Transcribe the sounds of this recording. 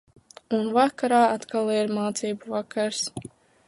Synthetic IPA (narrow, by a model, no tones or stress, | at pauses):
unvakaɾaːat̪kalˠiɾmaːt̪siːbuvakʰaɾs